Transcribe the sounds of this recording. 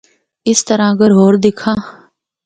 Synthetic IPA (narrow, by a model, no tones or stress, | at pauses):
ɪst̪əɾãːɡəɾɦoːɾd̪ɪkʰãː